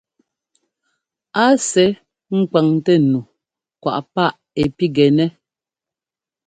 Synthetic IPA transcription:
a˦sɛ˨˦ | ŋ̩˦ka˨ŋtɛ˦nu˨ | kwa̰˨ʔpa˦˨ʔ | ɛ˨pi˦ɡɛ˨nɛ˦

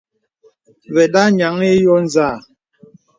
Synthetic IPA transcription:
vɛ˨ɗa˦ɲa˨˦ŋe˦jɔ˦n˨za˦˨

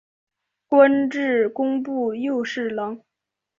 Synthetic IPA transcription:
kwə˥nʈ͡ʂɻ̩˥˩kʊ˥ŋpu˥˧jo˥˧ʊʂɻ̩˥˩lɑ˧˥ŋ

